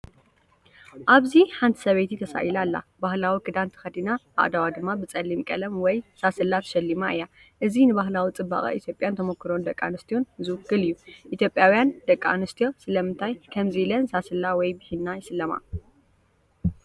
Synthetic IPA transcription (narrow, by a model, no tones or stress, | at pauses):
ʔaβziħant̪ʰɨ̥sɐβejt̪ʰit̪ʰɐsa̰ʔilalːa̰bahlawikʰɨd̪ant̪ʰɨ̥xɐd̪inaʔa̰ʔd̪awad̪ɨmːabɨt͡sʼɐlːimkʼɐlɐmwɔjsasɨlːat̪ʰɐ̥ʃɐlːimaʔɨjːa | ʔɨzinɨbaɦlawit͡sʼɨbːa̰χʼɐ̰ʔḭt̪ʰjo̞pʼjant̪ʰɐmokʰːɨɾo̞nd̪ɐkʼːa̰nɨst̪ʰijo̞nzɨwɨkːɨlijːuʔit̪ʰjo̞pʼjawjand̪ɐkʼːa̰nɨst̪ʰijo̞sɨlɐmɨnt̪ʰajkʰɐmzilɐnsasɨlːawɔjbɨħinːajɪsɨlːɐma̰